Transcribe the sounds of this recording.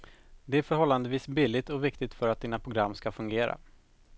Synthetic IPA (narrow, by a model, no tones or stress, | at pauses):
d̪ɛæɾfœɾɦɔlːand̪əviːsbilːɪt̪ɔvɪkt̪ɪɡt̪fœɾat̪̚d̪iːnapʰɾʊɡɾamːskafɵŋɡeːɾa̰